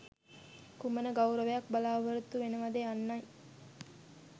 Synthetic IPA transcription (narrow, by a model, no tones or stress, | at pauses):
kumənəɡawɾəʋejɐk̚bɐlaːbəɾut̪uʋenəʋad̪eanːɐj